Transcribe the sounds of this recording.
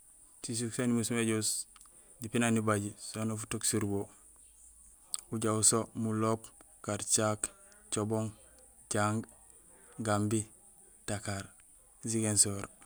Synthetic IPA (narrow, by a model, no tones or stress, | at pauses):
sis̬uksanimusumeɟus | dipinanibaɟisonofutoksuɾbo | uɟausomulop | kaɾt͡ʃak | t͡ʃoboŋ | ɟaŋɡ | ɡambi | takaɾ | ziɡensoɾ